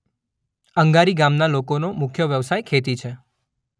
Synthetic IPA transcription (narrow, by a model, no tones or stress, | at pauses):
əŋɡaɾiɡamnalokonomʊkʰjəʋjəʋsajkʰet̪it͡ʃʰe